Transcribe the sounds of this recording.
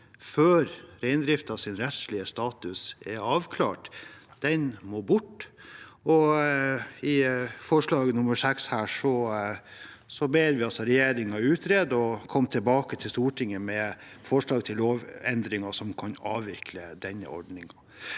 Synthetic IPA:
føːɾɾæɪnd̪ɾɪft̪ɑsɪnɾɛt̪slɪəst̪ɑːt̪ʉsɛɾɑːʋkʰlɑ̰ːʈd̪̥ɛnmoːbʊʈː | ɔ | ɪfɔʂɭɑːɡənʊməʂɛkshæːʂɔ | sɔbeːɾʋɪɑlsɔɾɛjeːɾɪŋɑʉːt̪ʰɾeːd̪ɔkʰɔmːt̪ʰɪlbɑːkət̪ʰɪlst̪uːʈʰɪŋːəmɛ | fɔʂɭɑːɡt̪ʰɪlːoːʋɛnd̪ɾɪŋɑʂɔmkʰɑnɑːʋɪkʰləd̪ɛnːə̰ʔɔ̰ɖnɪŋɑ

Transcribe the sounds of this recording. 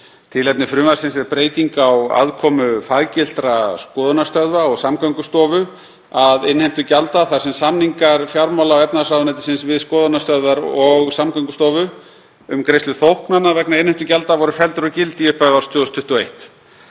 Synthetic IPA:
t̪ʰɪlɛpnɪfɾʏmaɾ̥sɪnsɛɾpɾeːjt̪iŋkawa̰ðkʰɔmʏfaðcɪl̥t̪ɾaskɔːðʏnast̪œðvaɔɣsamkaŋkʏst̪ɔːvʏ | aðɪnhejm̥t̪ʏcalt̪aθḁsɛmsamniŋkaɾ̥fjawɾmawlaɔwɛpnasawðnɛjt̪ɪ̥sɪnsvɪðskɔːðanast̪œðvaɾɔɣsamkaŋkʏst̪ɔːvʏ | ʏmkɾejst̪ʏθowhknanːavɛknaɪnhem̥t̪ʏcalt̪avɔɾʏfɛlt̪ʏɾɔcɪlt̪ijɛspaaɾ̥st̪ʰʏːɔst̪ʰʏht̪ʏɔejht̪

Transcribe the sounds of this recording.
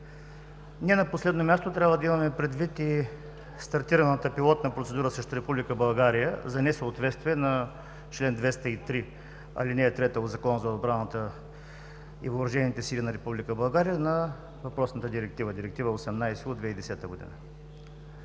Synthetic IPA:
niɛnɐposlɛd̪nomʲjast̪ot̪ɾʲabvəd̪ɐimɐmɛpɾɛd̪vit̪i | st̪ɐɾt̪iɾɐnət̪əpilˠɔt̪nɐpɾot̪sɛd̪uɾəsɾɛʃt̪oɾɛpublikəbɐlˠɡaɾijə̰zɐnɛsəot̪vɛt̪st̪viɛnɐ | t͡ʃlɛnd̪vɛst̪əit̪ɾi | ɐ̰linɛːt̪ɾɛt̪əod̪zɐkɔnəzɐod̪bɾanət̪ə | ḭvoːɾɐʒɛnit̪ɛsilinɐɾɛpublikəbɐlˠɡaɾijənɐ | vɐpɾɔsnət̪əd̪iɾɛk̚t̪ivəd̪iɾɛk̚t̪ivəosɛmnajsɛod̪vɛid̪ɛsɛt̪əɡod̪ḭnə̰

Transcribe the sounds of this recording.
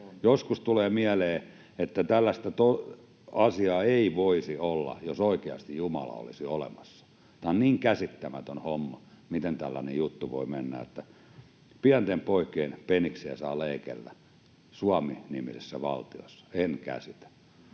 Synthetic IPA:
joskust̪uleːmiæleː | et̪ːæt̪ælːæst̪æt̪o | ɑsiɑːeiʋoisiolːɑ̰josoikeɑ̰st̪ijjumɑlɑ̰o̰lisiolḛmɑsːɑ̥ | t̪ɑnniːŋkæsit̪ːæmæt̪ønhomːɑ | mit̪ent̪ælːæ̰nejjut̪ːuʋo̰imenːæ̰ḛt̪ːæ | piænt̪empoikˑeːnpeniksiæsɑːleikḛlːæ | suɑminimisesːæʋɑ̰lt̪io̰sːɑ̥enkæ̰sit̪æ̥

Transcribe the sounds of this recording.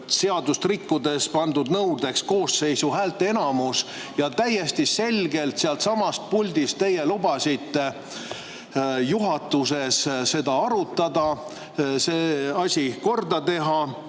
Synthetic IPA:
se̞ɑd̪ust̪rikːud̪e̞spɑnd̪ud̪nɤwd̪e̞ksko̞ːsːe̞jsuɦæːlt̪ːˑee̞nɑmus | jɑt̪æjːest̪ise̞lʲɡe̞lt̪seɑlt̪sɑmɑst̪̚pulʲd̪ist̪t̪e̞jelubɑsit̪ːe̞ | juɦɑt̪ːuse̞sse̞d̪ɑɑɾut̪ːˑɑd̪̥ɑ | seːɑsʲiko̞rd̪ɑt̪e̞ɦɑ

